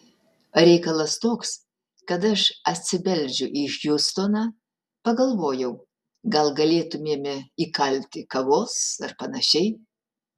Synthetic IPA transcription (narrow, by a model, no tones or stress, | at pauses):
ɾʲɛɪkɐlˠɐst̪oːks | kɐt̪ɐʃɐt̪ʲsʲɪbʲɛlʲd͡ʒʲʊʔixjust̪oːnɑː | pɐɡɐlˠʋoːjɛʊ | ɡɐlˠɡɐlʲeːt̪ʊmʲiɛmʲɪikɐlʲt̪ʲɪkɐʋoːsɐrpɐnɐʃʲɛɪ